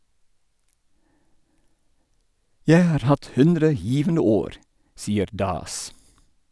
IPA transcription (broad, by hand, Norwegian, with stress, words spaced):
ˈjæɪ ˈhɑːɾ ˈhɑt ˈhʉndɾə ˈjiːʋənə ˈoːɾ ˈsiːəɾ ˈdɑːs